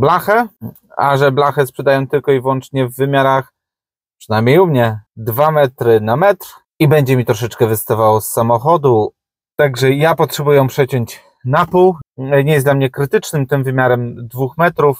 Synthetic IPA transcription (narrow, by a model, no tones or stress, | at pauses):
blaxɛ | a̰ʐɛblaxɛspʂɛd̪ajɔ̃w̃t̪ɘlkɔivwɔnt͡ʂɲɛvːɘmʲjaɾax | pʂɘnajmʲɲejumɲɛd̪vamɛt̪ɾɘnamɛt̪ɾ | ibɛɲd͡ʑɛmʲit̪ɾɔʂ̬ɛt͡ʂkɛvɘst̪avawɔsːamɔxɔd̪u | t̪aɡʐɛjapɔtʂɛbujɛpʂɛt͡ɕɔɲt͡ɕ | napuwɲɛjɛsd̪lamɲɛkɾɘt̪ɘt͡ʂnɘmt̪ɘmvɘmʲjaɾɛmd̪vuxmɛt̪ɾuf